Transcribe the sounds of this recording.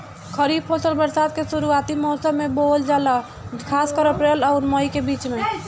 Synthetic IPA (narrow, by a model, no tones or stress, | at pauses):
kʰəɾiːb̚pʰoːsəlbəɾsaːd̪̚keʃʊɾuaːt̪imɔːsəmẽboːld͡ʒaːla | kʰaːskəɾəpɾeːlɔːɾmɔikebiːt͡ʃmẽ